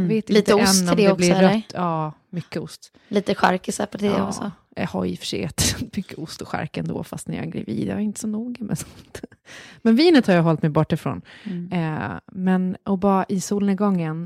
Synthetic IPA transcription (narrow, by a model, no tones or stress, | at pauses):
veːt̪ɪliːt̪əsɛnːɔmɛɔblɪɾɾœt̪ːʰɑː | mʏkːəʊst̪ | liːt̪əɧa̰ɾkɪsapɔt̪ʰːd̪̰ɔɔ | hajɪfə̥ʂɛ̰ɛt̪mʏkʰːəʊst̪ɔɧa̰ɾkɛnd̪o̰ːfa̰st̪næjɑ̰ɡɾa̰viːd̪̰aɾɪnt̪əsɔnuːɡəmɛ̰nsɔ̥nt̪mɛnviːnət̪haɾjaːɦɔlt̪mɛjbɔʈːɪfɾo̰ːn | mɛnʔɔbɑɾaʔɪsuːlnəɡɔŋːən